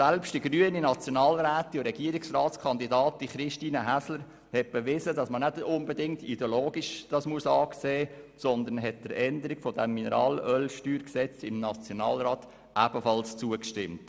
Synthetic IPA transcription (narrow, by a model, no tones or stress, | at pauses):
sælpʃtd̥iɡɾyəninɑt͡sjonɑːlɾæːtːiɾɛɡiəɾiksrɑːtt͡skʰɑnd̪idɑːt̚diχɾɪʃtiːnəɦæsləɾ | hɛt̚b̥əʋɪzədɑsmənædʊnbədɪŋtḭdeoloːɡ̥iʃd̥ɑsmuəsɑːkseːsɔnd̪ənɦɛt̚d̥əɾɛnd̪əɾikfɔdɛmːinəɾɑ̰ːlœlʃtyːɾksɛt͡sɪmnɑt͡sjonɑ̰ːlɾɑːt | ʔæb̥əfɑlst͡suəkʃtɪmt